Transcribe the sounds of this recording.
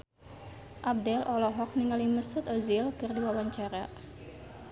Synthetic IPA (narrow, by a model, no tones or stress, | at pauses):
ʔab̚dɛlʔɔlɔɦɔk̚niŋaliməsʊt̪ozilkɨrdiwawaɲt͡ʃaɾa